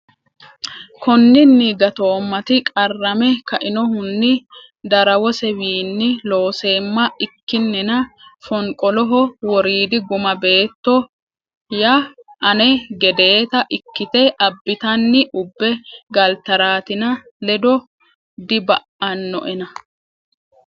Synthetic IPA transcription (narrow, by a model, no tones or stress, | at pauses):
kɔnːɪnːiɡɐt̪o̞ːmːɐt̪ɪkʼɐrːɐmɛkɐʔɪnɔhʊnːɪ | d̪ɐɾɐwɔsɛwiːnːɪlo̞ːse̞ːmːɐɪkːɪnːɛnɐfɔŋkʼɔlɔɦɔwɔɾiːd̪ɪɡʊmɐbe̞ːt̪ːɔ | jɐʔɐnɛɡɛd̪e̞ːt̪ɐʔɪkːɪt̪ɛʔɐbːɪt̪ɐnːɪʔʊbːɛɡɐlt̪ɐɾaːt̪ɪnɐ | lɛd̪ɔ | d̪ɪbɐʔɐnːɔ̰ʔɛnɐ